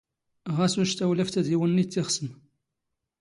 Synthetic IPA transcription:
ʁæsuʃt̪æwlæft̪æðiwənːit͡s̪ːɪʁsən

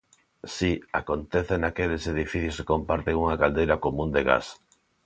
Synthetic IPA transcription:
siakont̪eθenakeleseð̞ifiθjuse̥kompaɾt̪eŋuŋakald̪ejɾakomũnd̪eɣa̰s

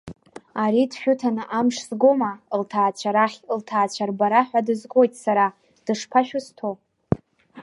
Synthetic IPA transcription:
aɾidʃᶣʊtʰanɨʔamʂzɡomaltʰaːt͡ʃʷʰaɾaχʲltʰaːt͡ʃʷʰarbaɾaħʷᶣadɨzkʷʼo̞jtʼsaɾa | d̥ɨʂpʰaʃᶣʊstʰo

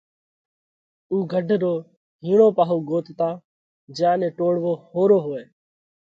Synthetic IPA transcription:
uːɡʱəɖʱɾoː | ɦiːɳoːpaːɦoːɡoːt̪t̪ãː | d͡ʒjãːnẽːʈoːɽʋoːhoːɾoːɦoːeː

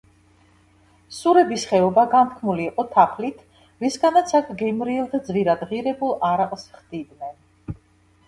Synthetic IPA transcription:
suɾɛbisχɛɔbaɡant̪ʰkʰmuliːqʼɔt̪ʰapʰlit̪ʰ | ɾisɡanat̪sʰakʰɡɛmɾiɛlˠd̪ad̪zviɾad̪ʁiɾɛbulˠaɾaqʼsχd̪id̪nɛn

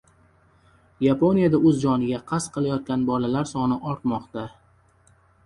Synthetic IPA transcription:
japo̞nijad̪aɵzd͡ʒɒnɪɡʲaqʰɑsqʰɨlˠajɒt̪̚kʲanbɒlalaɾsɒnɪʔɒɾt̪mɒqt̪a

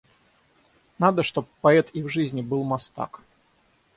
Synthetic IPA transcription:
nad̪əʂt̪o̞ppːɐɛt̪ivʐɨzʲnʲɪbɨlˠmɐst̪a̰k

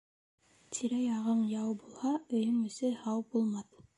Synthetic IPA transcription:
t̪ʰiɾæjɑʁɤɴjɑwbulˠhɑɵ̆jɵŋɵ̆sɘhɑwbulˠmɑθ

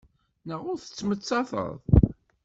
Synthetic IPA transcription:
nəʁʊɾθə̥t͡sːmət͡sːɑθə̰ðˤ

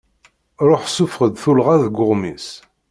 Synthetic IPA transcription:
ɾˤoħsufʁəd̪θulʁaðɡːʊʁmis

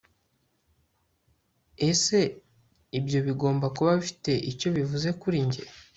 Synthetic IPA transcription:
ese̞ | ibjo̞βiɡo̞ːmbakuβaβifi̥te̞ʔico̞βivuze̞kuɾiɲɟḛ

